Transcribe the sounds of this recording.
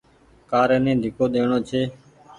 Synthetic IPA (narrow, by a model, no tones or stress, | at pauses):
kaːɾeːnẽːd̪ʱɪkoːɗ̪eːɳoːt͡ʃʰeː